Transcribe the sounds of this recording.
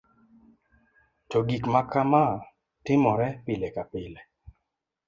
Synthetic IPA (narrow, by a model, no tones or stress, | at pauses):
toɡikmakama | tɪmɔɾɛpɪlɛkapɪle